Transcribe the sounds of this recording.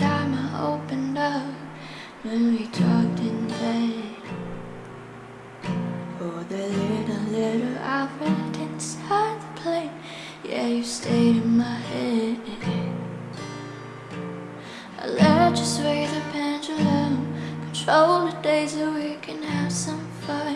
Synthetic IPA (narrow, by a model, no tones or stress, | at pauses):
aɹməʔo̰ʊpɨ̃ndʌp | wɨ̃nwitʰɔk̚tɨ̃nveɪ | əðeɪlɪɾəlɪɾl̩ˠæ̰fɨnadɪdⁿn̩saɪd̪̚ðəpʰl̥ẽɪ̃n | jæ̰jɨstʰeɪɾɨ̃nmaɪhɛɾ | ə̰lɛd͡ʒɨsweɪzɨ̥pʰæ̃nd͡ʒəlõnkʰn̩tʰɹ̥oʊlˠədeɪzɨwikʰɨ̃nəv̥sʌ̃ɱfaɪ